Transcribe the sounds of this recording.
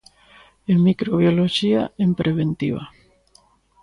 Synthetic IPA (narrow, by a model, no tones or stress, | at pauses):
emikɾoβjoloʃiaempɾʔeβent̪iβa̰